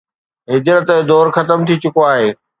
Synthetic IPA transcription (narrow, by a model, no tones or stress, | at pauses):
ɦɪd͡ʑɾət̪ːd̪ɔːɾxɐt̪əmt̪ʰit͡ɕʊkoaːɦeː